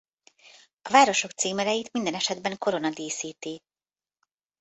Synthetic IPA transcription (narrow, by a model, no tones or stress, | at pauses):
ɒvaːɾo̞ʃo̞k̚t̪siːmɛlɛjit̪mind̪ɛnɛʃɛd̪bɛŋko̞ɾo̞nɒd̪iːsiːt̪i